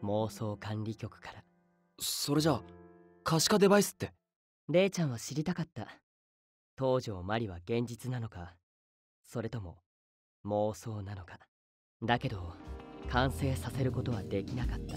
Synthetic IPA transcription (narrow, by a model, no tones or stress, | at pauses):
mo̞ːso̞ːkãnɾʲikʲo̞kɯ̟̥kḁɾa | so̞ɾe̞ʑa | kaɕi̥kad̪e̞baisɨ̥t̪ːe | ɾe̞ːt͡ɕãɰ̃βaɕiɾʲit̪akat̪ːa | t̪o̞ːʑo̞ːmaɾʲiβaɡẽ̞ɲ̟d͡ʑit͡sɨnano̞ka | so̞ɾe̞t̪o̞mo̞̰ | mo̞ːso̞ːnano̞kḁ | d̪ake̞d̪o̞kãɰ̃se̞ːsase̞ɾɯ̟ko̞t̪o̞β̞ad̪e̞kʲinakat̪ːa